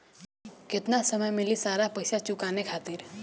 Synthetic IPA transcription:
kɪt̪nasəməjmɪlisaːɾapɐɪsat͡ʃʊkaːnekʰaːt̪ɪɾ

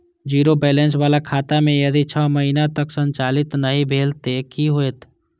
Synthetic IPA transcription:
d͡ʒiːɾobɛːlẽns̬ʋaːlakʰaːt̪amẽjɐd̪it͡ʃʰɔːməɦinat̪əksə̃ɲt͡ʃaːlɪt̪nəɦĩbʱeːlt̪ekiɦoeːt̪

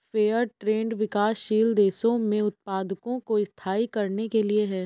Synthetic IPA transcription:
feːəɾʈɾeːɳɖʋɪkaːsʃiːld̪eːsõmẽʊt̪̚paːd̪əkõkoɪst̪ʰaːikɐɾnekelieɦɛː

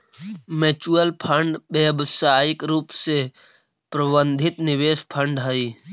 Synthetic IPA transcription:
met͡ʃuəlpʰəɳɖbeːbsaːɪkɾuːpse | pɾəbənd̪ʱɪt̪nɪʋeːspʰəɳɖɦəiː

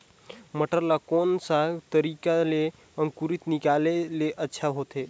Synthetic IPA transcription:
məʈəɾlakonsat̪əɾikale | ə̃ŋkuɾit̪nikaleleʔətːʃʰaɦot̪e

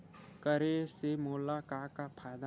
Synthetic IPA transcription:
kəɾesemoːlakakapʰaːjd̪a

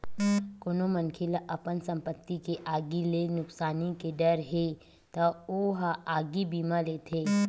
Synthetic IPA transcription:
koːnomənkʰɪlaʔɐpənsɐ̃mpət̪ːikeʔaːɡilenʊksaːnikeɖɐɾɦe | t̪ɐoɦaaːɡibiːmaleːt̪ʰeː

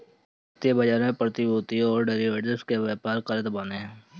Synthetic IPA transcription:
t̪ebəd͡ʒaːɾẽpəɾt̪iboːt̪iɦɔːɾɖeːɾiʋeːʈəskeʋɛːpaːɾqəɾət̪baːneɦɛ̃ː

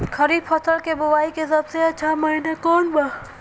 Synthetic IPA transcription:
kʰɐɾiːbfʰɐt̪ʰəlkebʊwaːikesɐbseɐtːʃʰamɐinekɔːnbaː

